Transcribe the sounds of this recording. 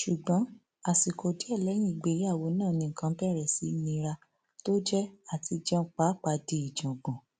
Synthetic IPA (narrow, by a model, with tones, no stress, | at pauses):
ʃu˨ɡ͡bɔ̃˨˦ | a˨si˨ko˨di˨˦ɛ˦˨lɛ˨˦j̃ĩ˦˨ɡ͡be˨˦a˦˨wo˨˦nãː˦˨nĩ˧ŋ̩˨kã˧˦pɛ˦˨ɾɛ˨si˨˦nĩ˧˦ɾa˧ | to˦d͡ʒɛ˦a˦˨ti˧d͡ʒɔ̃˦˧˦k͡pa˨˦k͡pa˧˨di˧i˨d͡ʒɔ̃˨ɡ͡bɔ̃˨